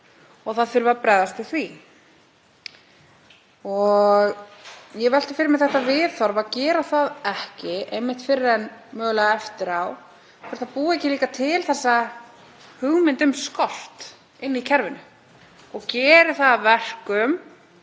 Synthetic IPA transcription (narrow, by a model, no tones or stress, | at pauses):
ɔɣθaðθʏɾvapɾɛːðast̪ɪθvi | ɔɣjɛvɛl̥t̪ḁfɪɾɪɾmɪɛðθɛht̪avɪðθɔɾvaðcɛːɾaθaðɛhcɪʔejmːɪht̪fɪɾɪɾɛnmœːɣlaɛft̪ɪɾaw | kɛɾ̥θaðpuːɛcɪliːkat̪ʰɪlθɛsːa | hʏɣmɪnt̪ʏmskɔl̥t̪ | ɪnːicʰɛɾvɪnʏ | ɔɣcɛːɾɪθaðvɛr̥kʏm